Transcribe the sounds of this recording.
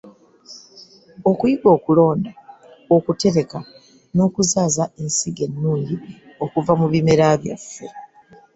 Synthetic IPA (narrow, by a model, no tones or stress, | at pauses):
o̞kujiɡo̞ːkulo̞ːnda | okute̞ɾe̞ka | no̞ːkuzaːzae̞nsiɡe̞nːuːɲɟi | o̞kuvamuβime̞ɾaβja̰fːe̞